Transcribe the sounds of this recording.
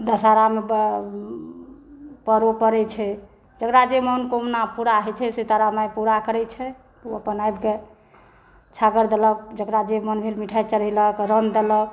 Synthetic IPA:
d̪əsaɾame | pəɾopəɾɛt͡ʃʰɛ | d͡ʒəkɾad͡ʒemənkomnapuɾaɦɛt͡ʃʰɛset̪aɾamajpuɾakəɾɛt͡ʃʰɛ | t̪əpənajbke | t͡ʃʰaɡəɾd̪elək̚d͡ʒəkɾad͡ʒemənbʱelmiʈʰajt͡ʃəɾɛləkɾənd̪elək

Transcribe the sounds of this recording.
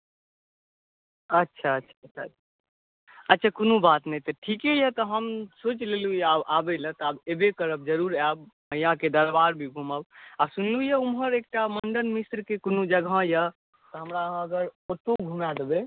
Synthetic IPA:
ətːʃʰaətːʃʰatːt͡ʃʰatʰa | ətːʃʰakonubat̪nɛjt̪əʈʰikejət̪ɔɦəmsot͡ʃlelujaʔabɛlə̃t̪ɔabebekəɾəb̚d͡ʒəɾuɾabməjãked̪əɾbaɾbʱiɡʱuməbabsunlujəumɦəɾek̚ʈaməɳɖənmisɾkekonud͡ʒəɡʱãjə | t̪ɔɦəmɾãəɡəɾoʈoɡʱumad̪ebe

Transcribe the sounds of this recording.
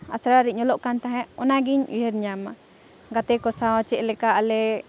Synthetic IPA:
asɾaɾiʔ̚ɲɔlɔʔkant̪aɦɛ̃ʔɔnaɡiɲʔḭɦəɾɲama | ɡat̪ɛkɔsawat͡ʃɛʔlɛkaʔalɛ

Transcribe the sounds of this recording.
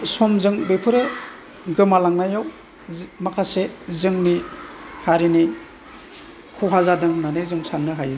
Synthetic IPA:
sɔmzɯŋbepʰɯɾe | ɡɯmalaŋnajaw | makʰasezɯŋnihaɾini | kʰuɦazadɯŋnanɯjzɯŋsanːɯɦaj

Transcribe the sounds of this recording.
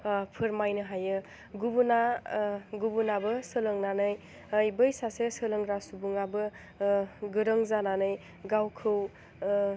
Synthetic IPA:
pʰɯɾmajnɯɦajɯ | ɡubuna | ɡubunabɯsɯlɯŋnanɯj | əjbɯjsasesɯlɯŋɾasubuŋabɯ | ɡɯɾɯŋzananɯj | ɡawkʰɯw

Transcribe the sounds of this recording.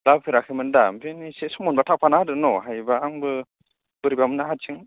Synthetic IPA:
lapʰɯɾakʰɯmɯndambinisesɔmɔnbatʰak̚pʰanadɯnɔɦajbaːŋbɯ | b̥ɯɾibamɯnahat̚ʰɯŋ

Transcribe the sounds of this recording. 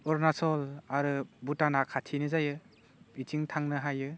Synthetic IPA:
ɔɾnasɔlaɾɯbutanakʰatʰinɯzajɯ | itʰiŋtʰaŋnɯɦajɯ

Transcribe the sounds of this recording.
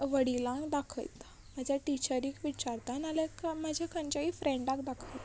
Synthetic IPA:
ʋəɽilãkd̪akʰə̰jt̪ | m̤əd͡ʑʱjaʈit͡ɕəɾiːkʋit͡ɕaɾt̪analekam̤ad͡ʑʱakʰəɲt͡ɕaɦifɾẽɳɖãkd̪akʰəjt̪

